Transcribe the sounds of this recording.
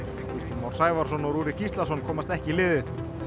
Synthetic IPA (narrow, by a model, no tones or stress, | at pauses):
iɾ̥t̪imawɾ̥saːjvaɾ̥sɔnɔɾuːɾɪcist̪lasɔnkʰɔːmast̪ɛhcɪlɪːðɪθ